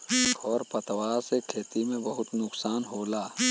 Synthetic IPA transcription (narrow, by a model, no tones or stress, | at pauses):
kʰɔːɾpət̪waːɾsekʰeːt̪imẽbəɦʊt̪nʊksaːnɦoːlaː